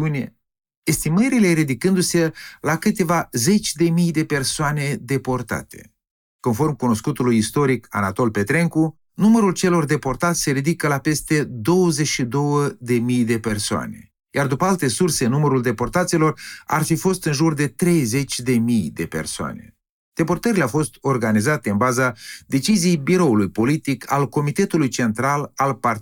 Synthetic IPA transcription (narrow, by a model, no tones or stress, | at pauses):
unʲḛ | est̪iməɾile̞ɾid̪ikɨnd̪use̞lakɨt̪e̞vaze̞t͡ʃʲd̪e̞mijd̪e̞pe̞rsoane̞d̪e̞po̞rt̪a̰t̪ʰe̞ | ko̞nfo̞rmkuno̞skut̪ulujist̪o̞ɾika̰nat̪o̞lpe̞t̪ɾe̞ŋku | numəɾult͡ʃe̞lo̞rd̪e̞po̞rt̪at̪sʲse̞ɾid̪ikəlape̞st̪e̞d̪o̞wəzeʃid̪o̞wəd̪e̞mijd̪e̞pe̞rsoa̰ne̞ | jard̪upəalt̪e̞surse̞numəɾuld̪e̞po̞rt̪at̪silo̞ra̰rfifo̞st̪ɨnʒurd̪e̞t̪ɾe̞jze̞t͡ʃʲd̪e̞mijd̪e̞pe̞̰rsoa̰ne̞̰ | d̪̥e̞po̞rt̪əɾileawfo̞st̪o̞rɡanizat̪e̞ɨnbazad̪e̞t͡ʃizijejbiɾo̞ulujpo̞lit̪ikʰa̰lko̞mit̪e̞t̪ulujt͡ʃe̞nt̪ɾalalpar